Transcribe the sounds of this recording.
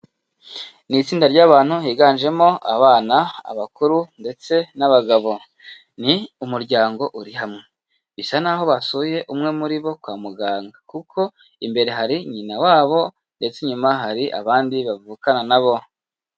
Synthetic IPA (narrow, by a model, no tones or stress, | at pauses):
nit͡siːndaɾɟaːβaːn̥huhiːɡaːnʒe̞mo̞a̰βaːnaa̰βakuɾunde̞t͡se̞naβaɡaβo̞ | niumuɾɟaːŋɡo̞ʔuɾiɦamŋe̞ | βisanaɦo̞βasuje̞ʔumŋe̞muɾiβo̞kwaːmuɡaːŋɡakukʰo̞ | imbe̞ɾe̞ɦaɾiɲinawaːβo̞ | nde̞t͡se̞ɲumaɦaɾiʔa̰βaːndiβavuːkananaβo̞